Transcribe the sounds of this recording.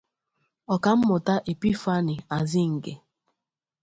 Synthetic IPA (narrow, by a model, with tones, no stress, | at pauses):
ɔ˨ka˦m̩˦mʊ˨ta˦ʔe˨pi˦fa˦ni˨a˨zɪ˦ŋ̩˨ɡe˨